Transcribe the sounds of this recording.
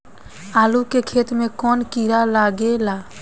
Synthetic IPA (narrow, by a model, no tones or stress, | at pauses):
aːlukekʰeːt̪mẽkɔːnkiːɾalaːɡelaː